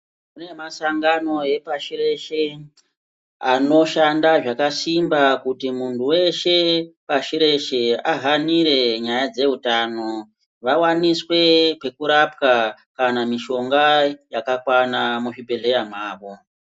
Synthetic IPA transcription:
kune̞masaŋɡano̞e̞paʃire̞ʃe̞ | ano̞ʃandaʐakasimbakutimuntʰuwe̞ʃe̞paʃiɾe̞ʃe̞aɦaniɾe̞ɲajad͡ze̞utano̞ | ʋawaniswe̞pe̞kuɾapka | kanamiʃo̞ŋɡajakakwanamuʐibʱe̞ɮe̞jamaːʋo̞

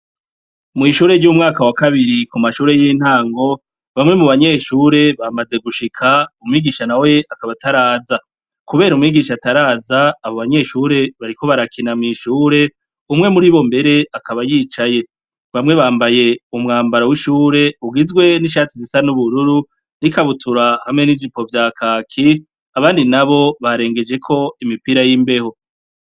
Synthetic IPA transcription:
mŋiːʃuːɾe̞ɾɟumŋaːkawakaβiɾikumaʃuːɾe̞jiːn̥haːŋɡo̞ | βamŋe̞muβaɲe̞ʃuːɾe̞βamaze̞ɡuʃikʰaumŋiːɡiːʃanawe̞akaβataɾaːza | kuβe̞ːɾumŋiːɡiːʃataɾaːzaːβoβaɲe̞ʃuːɾe̞βaɾiko̞βaɾakʰinamŋiːʃuːɾe̞ | umŋe̞muɾiːβo̞mbe̞ɾe̞akʰaβajiːt͡ʃaje̞ | βamŋe̞βaːmbaje̞umŋaːmbaɾawiʃuːɾe̞uɡizɡwe̞niʃaːtizisanuβuɾuɾu | nikaβutʰuɾahamŋe̞nivipo̞vjaːkʰaːkʰi | aβaːndinaβo̞βaɾe̞ːŋɡe̞d͡ʒe̞kʰo̞imipiɾajimbe̞ho̞

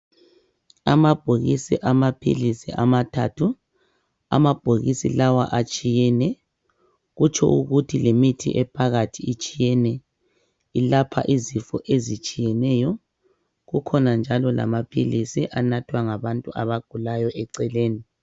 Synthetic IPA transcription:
a̰mab̥ʱoɣisḭʔamapʰḭlisiʔamatʰa̰tʰu | a̰mab̥ʱoɣisḭlawa̰ʔat͡ʃʼijɛnɛ | ɣut͡ʃʰʼɔ̰uɣutʰilemitʰḭʔɛpʰaɣatʰiːt͡ʃʼijɛnɛ | ilapʰa̰ʔizifɔʔezit͡ʃʼijɛnɛjɔ | ɣukʰɔnand͡ʒʱalɔla̰mapʰilisiʔanatʰwaŋaβantʼuaβaɡ̥ʱulajɔʔɛǀɛleːni

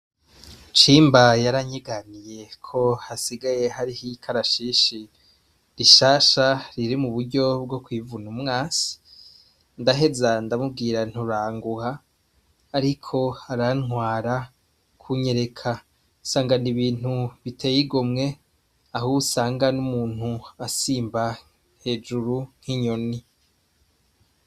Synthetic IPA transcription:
t͡ʃiːmbajaɾaɲiɡanije̞kʰo̞hasiɡaje̞ɦaɾihikʰaɾaʃiːʃi | ɾiʃaːʃaɾiɾimuβuɾɟo̞b̚ɡo̞kwivunumŋaːsi̥ | ndaɦe̞zandamub̚ɡiːɾan̥huɾaːŋɡuhaː | ɾikʰo̞haɾanŋwaːɾa | kʰuɲe̞ɾe̞kʰa | saːŋɡaniβiːn̥huβitʰe̞jiɡomŋe̞ | aɦuusaːŋɡanumuːn̥huasiːmba | he̞ːd͡ʒuɾuŋ̥hiɲo̞ni

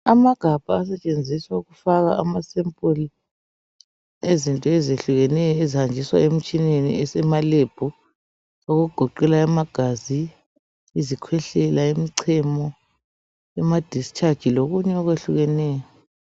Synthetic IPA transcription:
amaɡ̥ʱab̥ʱaːs̬ɛt͡ʃʼend͡zʱiswauɣufaɣaamasɛmpʼuli | ezintʼɔɛzeɬuɣɛnɛjɔezihand͡ʒʱiswa̰emit͡ʃʼinenḭɛsɛmaleb̥ʱu | oɣuuɡ̥ʱɔǃɛlaɛmaɡ̥ʱazi | izikʰwɛɬɛlaemiǀʰɛmɔ | ɛmad̥ʱist͡ʃʰʼad̥ʒ̥ʱiloɣuɲɛɔɣweɬuɣɛnɛːjɔ

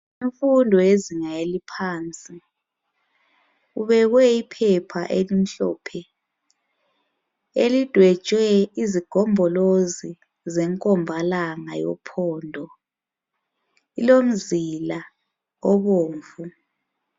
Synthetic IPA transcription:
iɱfundʱɔeziŋaelipʰaːnt͡sʼi | uβɛɣwɛipʰɛpʰa̰ʔelim̩ɬɔ̰ːpʰɛ | elid̥ʱwɛ̥t͡ʃʼwɛiziɡ̥ʱɔmbʱɔlozi | zɛŋkʼɔmbʱalaŋajɔ̰pʰɔːndʱɔ | ilom̩zila | ɔβoːɱvu

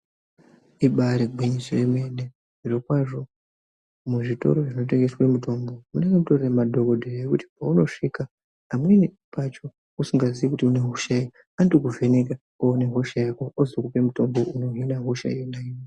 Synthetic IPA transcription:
iɓaɾeɡʱwiɲisireme̞ne | ʐiro̞kwaʐo̞ | muʐito̞̰ɾo̞ʐino̞t̬e̞ŋɡe̞swe̞muto̞mbo̞muneɡemuto̞reremadʱo̞ko̞dʱerajekuti̥pauno̞ʂikaː | mweni | pat͡ʃo̞ | usiŋɡaziʋekutiune̞ɦoʃai | andukuve̞neka | oːneɦo̞ʃajako̞ozokupe̞muto̞mbo̞ʔuno̞ɦinaɦo̞ʃa̰ijonaine

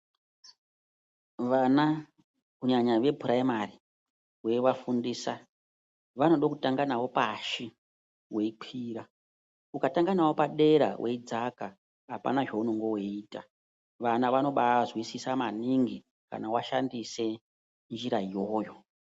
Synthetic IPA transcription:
ʋana | kuɲaɲaʋe̞bʱuɾaimari | we̞ʋafundiːsa | ʋano̞ɗokutaŋɡanawo̞paʃi | we̞iǃʰiːɾa | ukataŋɡanawo̞paɗe̞ɾa̰wʔe̞id͡zaka | apa̰naʐe̞unoŋɡo̞weiːta | ʋanaʋano̞ɓazwisisamaniŋɡi | ka̰nawaʃandise̞ | nd͡ʒiɾaijo̞ːjo̞

